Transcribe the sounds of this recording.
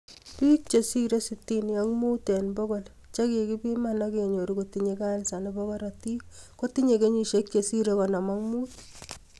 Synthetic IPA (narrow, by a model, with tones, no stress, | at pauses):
pi˦k̚t͡ʃe˨si˦ɾe˦sitːi˦njaŋmuː˦te˨nbɔ˦ko˦l | t͡ʃa˦ke˨ki˦pi˦manake˨ɲo˨ɾukotiɲeka˦nsa˨nebɔkɔ˦ɾati˦ko˦ti˦ɲe˨ke˦ɲi˨ʃek̚t͡ʃe˨si˦ɾe˦kɔ˨na˨maŋmuː˦t